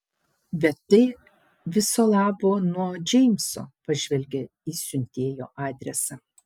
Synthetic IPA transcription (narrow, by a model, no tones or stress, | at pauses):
bʲɛt̪ːɐɪ | ʋʲɪsoːlˠɑːboːnuɔd͡ʒʲɛɪmʲso̰ːpɐʒʲʋʲɛlʲɡʲɛ | isʲʊnʲt̪ʲeːjo̰ːʔɑːd̪ʲɾʲɛsɐ